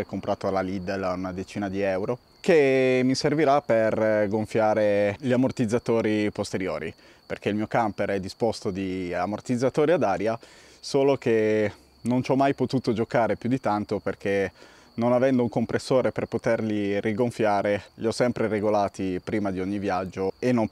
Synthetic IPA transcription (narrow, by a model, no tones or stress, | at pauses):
ɛkːompɾaːt̪oalalid̪elaunad̪et͡ʃiːnad̪iɛwɾo | kemːiserviɾaperɡoɱfjaːɾeʎiamort̪id̪zːat̪oːɾipost̪eɾjoːɾḭ | perk̟eilmiːokampeɾɛd̪ːispost̪od̪iamort̪id̪zːat̪oːɾiad̪aːɾja | soːlok̟e | nont͡ʃɔmːajpot̪uːt̪od͡ʒokaːɾepjud̪it̪ant̪operke | nonavɛnd̪ouŋkompɾesːoːɾeperpot̪erliriɡoɱfjaːɾeʎiɔsːɛmpɾeɾeɡolaːt̪ipɾiːmad̪ioɲːivjad͡ʒːoenːo